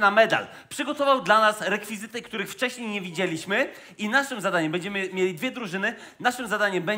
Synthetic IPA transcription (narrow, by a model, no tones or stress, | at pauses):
namɛd̪a̰l | pʂɘɡɔt̪ɔvawd̪lanasɾɛkfʲizɘt̪ɘkt̪uɾɘxft͡ʂɛɕɲejɲevʲid͡ʑelʲiɕmɘ | inaʂɘmzad̪aɲɛmbɛɲd͡ʑɛmɘmʲjelʲid̪vʲjɛd̪ɾuʐɘnɘ | naʂɘmzad̪aɲɛmbɛ